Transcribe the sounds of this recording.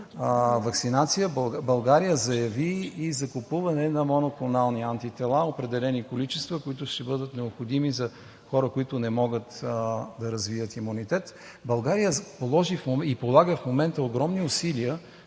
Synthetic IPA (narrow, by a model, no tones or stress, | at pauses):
vɐksinat̪sijəbˠbɐlˠɡaɾijəzɐjɐviːzɐkʊpuvɐnɛnɐmonokˠʊnalˠniant̪it̪ɛlˠaopɾɛd̪ɛlɛnikolit͡ʃɛst̪vəkʊit̪ʊʃt̪ɛbɤd̪ət̪nɛopxod̪imizɐ | xɔɾəkoit̪ʊnɛmɔɡət̪d̪ɐɾɐzviət̪imunit̪ɛt̪ | bɐlˠɡaɾijəpolˠɔʒifmoipolˠaɡəfmomɛnt̪əoɡɾɔmniʊsiliə